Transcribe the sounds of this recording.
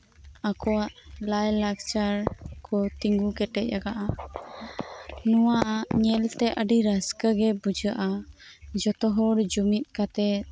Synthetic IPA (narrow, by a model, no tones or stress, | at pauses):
akɔwaʔlajlak̚t͡ʃaɾkʰɔt̪iŋɡukɛʈɛʔ̪̚ˀjaɡaʔa | nuwaʔaʔɲɛlt̪ɛʔəɖiɾəskəɡɛbud͡ʒəʔad͡ʒɔt̪ɔɦɔɽd͡ʒumit̪̚ˀkat̪ɛ